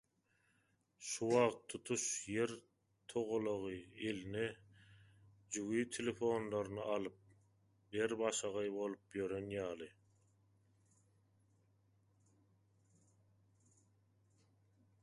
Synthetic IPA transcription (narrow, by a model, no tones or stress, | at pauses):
ʃuwɑʁt̪ʰːut̪ʰuʃje̞ɾ | t̪ʰoʁolˠoʁɯeline | d͡ʒuwiːt̪ʰelefo̞nlˠɑɾɯnɯʔɑlˠɯp̚ | beɾbɑʃɑʁɑjbo̞lˠupjøɾe̞njɑːlˠɯ